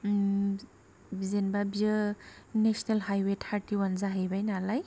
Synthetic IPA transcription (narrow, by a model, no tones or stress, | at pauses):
bizenbabiɯnesnelɦajwetʰaɾtiwanzaɦejbajnalaj